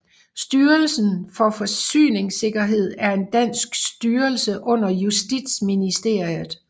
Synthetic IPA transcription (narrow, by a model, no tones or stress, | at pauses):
sd̥yːɐlsn̩fɒ̽fɒ̽sy̰ːne̝ŋse̝ɡ̥ɐɦe̝ð̞̰ˠæɐe̝nd̥æn̰sɡ̥sd̥yːɐlsəʔɔ̽n̰ɐjusd̥id̥sminisd̥e̝ɐ̰ið̩ˠ